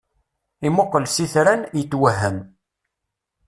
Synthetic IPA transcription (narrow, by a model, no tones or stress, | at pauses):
imoqːəlsiθɾænjət͡sːwəɦːəm